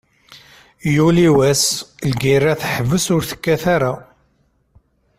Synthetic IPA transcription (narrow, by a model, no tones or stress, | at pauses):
juliwæslɡirːaθħəvːəsʊɾθə̥kːæθaɾa